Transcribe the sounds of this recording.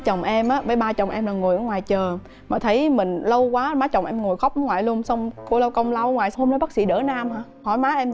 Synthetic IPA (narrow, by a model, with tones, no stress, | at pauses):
t͡ɕə˨˩wŋ͡mʔɛ˧mʔaː˨˦vəː˨˦jɓaː˧t͡ɕɔ˨˩wŋ͡mʔɛ˧mlaː˨˩ŋu˨˩jʔəː˧˨˦ŋwaː˨˩jt͡ɕəː˨˩ | maː˨˩t̪ʰə˨˦jmï˨˩ŋ̟lə˧wkwaː˨˦maː˨˦t͡ɕɔ˨˩wŋ͡mʔɛ˧mŋu˨˩əjxɔ˦˥p̚aː˨˦ŋwaː˨˩jlu˧ənsə˧wŋ͡mku˧˩˦lə˧wkə˧wŋ͡mla˧wŋwaː˨˩jnɔ˨˦ɓaː˦˥t̚sḭ˧˥ɗə̰ː˧˩naː˧mhaː˧˨˦ | hɔ˧˩jmaː˨˦ʔɛ˧m